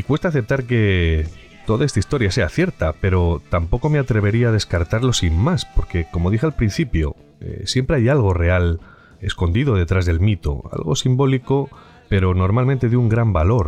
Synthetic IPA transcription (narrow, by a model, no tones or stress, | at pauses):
ikwe̞st̪aθe̞p̚t̪aɾke̞ | t̪o̞ðaest̪aist̪o̞ɾjase̞aθje̞ɾt̪ape̞ɾo̞t̪ampo̞ko̞meat̪ɾe̞β̞e̞ɾiaːðe̞skaɾt̪aɾlo̞simmaspo̞ɾke̞ko̞mo̞ðixealpɾin̟θipjo̞̰ | ḛsje̞mpɾe̞ajalɣ̞o̞re̞al | e̞sko̞nd̪iðo̞ð̞e̞t̪ɾazðe̞lmit̪o̞̰a̰lɣo̞̰simbo̞liko̞ | pe̞ɾo̞no̞ɾmalment̪e̞ðjuŋɡɾambalo̞ɾ